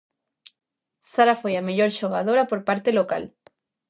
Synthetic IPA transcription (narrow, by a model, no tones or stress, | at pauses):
saɾafojameʎoɾʃoɣ̞að̞oɾapoɾpaɾt̪eloka̰l